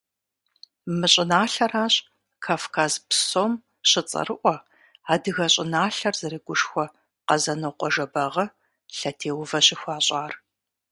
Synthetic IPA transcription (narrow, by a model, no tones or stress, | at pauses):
mɨɕʼɪnaːɬɐraːɕʼ | kʰaːfkʰaːzpsoːm | ɕɪt͡sʼɐ̰rɨʔʷɔ | aːdɨɣɐɕʼɪnaːɬɐrzɐɾeːɡʷʊʂxʷɔ | qɐzɐnoqʷɔʒɐbɐʁɐ | ɬɐtʰeːwvɐɕɪxʷaːɕʼaːr